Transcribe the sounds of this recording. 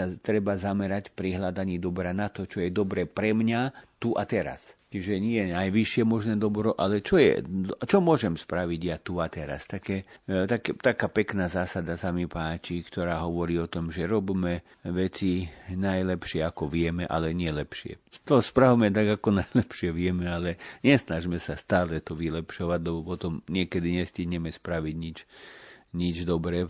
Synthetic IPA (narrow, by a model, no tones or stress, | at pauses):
at̪ɾɛbazamɛɾacpɾiɦlad̪aɲiːd̪ɔbɾaːnat̪ɔt͡ʃɔjɛd̪ɔbɾɛːpɾɛmɲat̪uʔat̪ɛɾa̰st͡ʃiʒɛɲɪɛɛnajʋiʃɪɛmɔʒnɛːd̪ɔbɾɔʔalɛt͡ʃɔjɛ̰d̪t͡ʃɔmʊɔʒɛmspɾaʋiɟjat̪uat̪ɛɾa̰st̪akɛːt̪akɛt̪akaːpɛknaːzaːsad̪asamipaːt͡ʃikt̪ɔɾaːɦɔʋɔɾiːɔt̪ɔmʒɛɾɔbmɛ | ʋɛt͡sinajlɛpʃɪɛakɔʋɪɛmɛʔa̰lɛɲɪɛlɛpʃɪɛ̰t̪ɔspɾawmɛt̪aɡakɔnajlɛpʃɪɛʋɪɛmɛalɛɲɛsnaʒmɛsast̪aːlɛt̪ɔʋilɛpʃɔʋaɟlɛbɔpɔt̪ɔmɲɪɛkɛd̪iɲɛsciɦɲɛmɛspɾaʋiɟɲit͡ʃ | ɲid͡ʒd̪ɔbɾɛː